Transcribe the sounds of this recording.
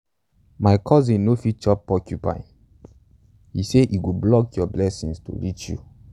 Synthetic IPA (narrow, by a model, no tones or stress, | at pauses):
maɪkʰɔzĩnːofit͡ʃɔpɔkʰjupa̰ɪ | hiseʔiɡoblɔkjɔblɛsĩŋsto̰ɹit͡ʃjṵ